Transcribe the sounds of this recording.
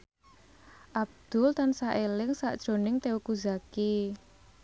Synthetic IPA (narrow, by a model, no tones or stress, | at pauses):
ʔab̚d̪̥ʊlt̪ansaʔelɪŋsa̰ʔd̥ʒ̥o̤nɪŋt̪eukuzaki